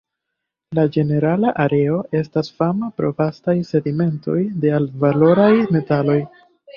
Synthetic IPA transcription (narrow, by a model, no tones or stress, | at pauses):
lad͡ʒe̞ne̞ɾalaʔaɾe̞o̞ʔe̞stasfamapɾo̞vastajse̞dime̞nto̞̰jde̞alvalo̞ɾajme̞talo̞j